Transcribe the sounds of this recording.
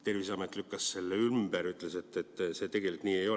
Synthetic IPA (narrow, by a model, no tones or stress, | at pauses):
t̪e̞rvis̬ɑmet̪ːˑlykˑːɑsse̞lːeymbeɾyt̪lese̞t̪ːet̪ːˑse̞ːt̪e̞ɡ̥e̞likːniːejo̞